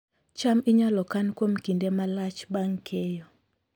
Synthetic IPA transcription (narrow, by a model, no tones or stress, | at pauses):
t͡ʃamiɲalɔkankwomkindɛmalat͡ʃbaŋkʰɛjɔ